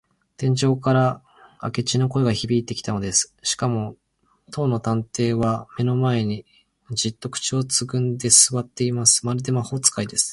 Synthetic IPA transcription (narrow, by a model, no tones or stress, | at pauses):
t̪ẽ̞ɲ̟d͡ʑo̞ːkaɾa | a̰ke̞t͡ɕino̞ko̞eɡaçibʲiːt̪ːe̞kʲi̥t̪ano̞d̪e̞sɨ̥ɕi̥kamo̞ | t̪ʰo̞ːno̞t̪ãnt̪e̞ːβame̞no̞mae̞ɲ̟i | d͡ʑit̪ːo̞kɯ̥t͡ɕio̞t͡sɨɡɯ̟̃nd̪e̞sɨβat̪ːe̞imasɨ̥maɾɯd̪e̞maho̞ːt͡sɨ̥kaid̪e̞sɨ̥